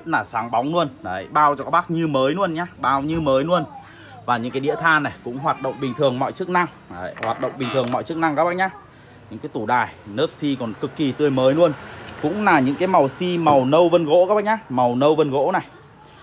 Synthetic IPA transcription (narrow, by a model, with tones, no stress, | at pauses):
t̚naː˨˩saː˨˦ŋɓa˨˦wŋ͡mnu˧ən˨˩˨jɓaː˧wt͡ɕɔ˧kaː˦˥ɓa˦˥k̚ɲɨ˧məː˨˦jnu˧ənɲaː˧ɓaː˧wɲɨ˧məː˨˦jnu˧ən | vaː˨˩ɲɨ̰˧˥ŋkaː˨˦ɗḭ˧˥ət̪ʰaː˧na˨˩jkʊ̰˧˥ŋ͡mɦwaː˨˩t̚ɗə̰˧˨ŋ͡mɓi˨˩ŋt̪ʰɨ˨˩əŋmɔ̰˧˨jt͡ɕɨ˦˥ək̚na˧ŋː˨˩˦ | hwaː˨˩t̚ɗə̰˧˨ŋ͡mɓï˨˩ŋt̪ʰɨ˨˩əŋmɔ̰˧˨t͡ɕɨ˦˥ək̚na˧ŋkaː˦˥ɓaː˦˥ɲaː˧ | ɲɨ̰˧˥ŋkaː˨˦jt̪u˧˩ɗaː˨˩jnəː˦˥p̚si˧kɔ˨˩nkɨ˨˩kːi˨˩t̪ɨ˧˩əjməː˨˦jlu˧ənkʊ̰˧˥ŋ͡mlaː˨˩ɲɨ̰˧˥ŋkaː˨˦jma˨˩wsi˧ma˨˩wnə˧wvə˧nɣo̰˧˥kaː˦˥ɓa˦˥ɲaː˧ma˨˩wnə˧wvə˧nɣo̰˧˥na˨˩j